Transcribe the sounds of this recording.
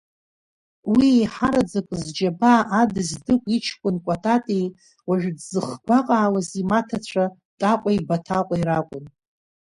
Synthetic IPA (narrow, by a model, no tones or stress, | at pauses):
wiejħaɾad͡zakʷʼzd͡ʒabaʔːdɨzdɨkʷʼit͡ʃʰkʷʼʊnkʷʼatʼatʼi | waʒᶣdzɨχɡʷaqʼaːwazimatʰat͡ɕʷʰa | tʼaqʷʼajbatʰaqʷʼaiɾakʷʼʊn